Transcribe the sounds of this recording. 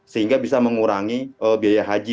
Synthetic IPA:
səɦiŋɡabisaməŋuɾaŋiəbiajaɦad͡ʒi

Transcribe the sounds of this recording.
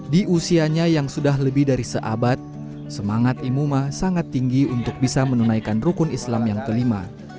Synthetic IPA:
diʔusiaɲajaŋsudaɦləbɪhdaɾisəʔa̰bat̪̚ | səmaŋat̪imumasaŋat̪ːiŋɡiunt̪ʊk̚bisamənunajkanrukʊnislamjaŋkəlima̰

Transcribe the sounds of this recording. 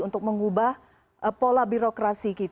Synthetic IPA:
unt̪ʊk̚məŋubah | əpolabiɾokɾasikit̪

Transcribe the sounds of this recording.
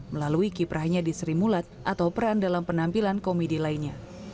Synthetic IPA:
məlaluikipɾahɲadisəɾimulat̪̚ʔat̪awpəɾandalampənampilankomedilainɲa

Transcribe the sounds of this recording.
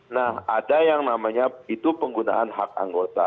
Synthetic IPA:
nahadajaŋnamaɲait̪upəŋɡuna̰ʔanɦak̚a̰ŋɡot̪a̰

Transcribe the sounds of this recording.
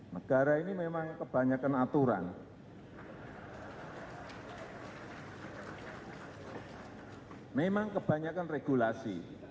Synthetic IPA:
nəɡ̥a̤ɾainimemaŋkəb̥a̤ɲakanat̪uɾa̰n | memaŋkəb̥ä̤ɲakanreɡ̥ulasi

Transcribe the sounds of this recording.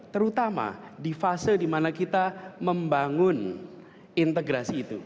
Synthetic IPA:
t̪əɾut̪ama̰difasɪldimanakit̪aməmbaŋʊn | int̪əɡɾasiːt̪ṵ

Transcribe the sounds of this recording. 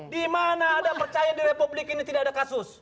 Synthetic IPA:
dimanaːdapərt͡ʃajadiɾepublikinit̪idaadakasʊs

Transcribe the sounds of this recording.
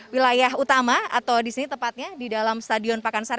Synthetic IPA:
wilajaɦut̪amaa̰t̪awdisinit̪əmpat̪̚ɲadidalamst̪adiɔnpakansaɾ

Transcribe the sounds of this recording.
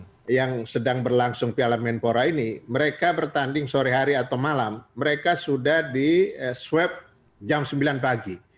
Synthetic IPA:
jaŋsədaŋbərlaŋsʊŋpialamɛnpoɾainiməɾekabərt̪andɪŋsoɾɛɦaɾiat̪awmalamːəɾekasudahdiswɛp̚ | d͡ʒamsəmbilanpaɡi

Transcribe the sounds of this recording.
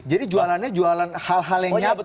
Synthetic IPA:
d͡ʒadid͡ʒualanɲad͡ʒualanhalɦaljaɲa

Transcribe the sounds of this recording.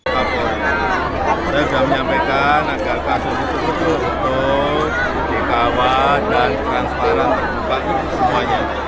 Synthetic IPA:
apa | saɡaməɲampekanaɡakahsusut̪ut̪ut̪u | t̪o | ədekawadant̪ɾanspaɾant̪bupaʔɲiusəmuaɲa

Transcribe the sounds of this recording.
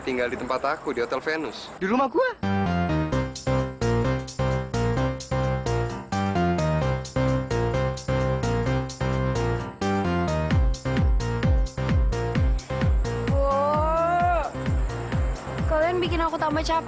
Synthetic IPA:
t̪iŋɡaldit̪əmpat̪akudiɦot̪ɛlfenʊs | diɾumahɡua | o | kalijanbikɪnakut̪ambat͡ʃap

